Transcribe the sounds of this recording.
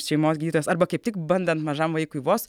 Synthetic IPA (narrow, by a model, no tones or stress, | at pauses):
ʃʲɛɪmoːsɡʲid̪ʲiːt̪ojoːsɐɾbɐkɐɪp̚t̪ʲɪkbɐnʲd̪ʲɛnt̪mɐʒɐmʋɐɪkʊʋoːs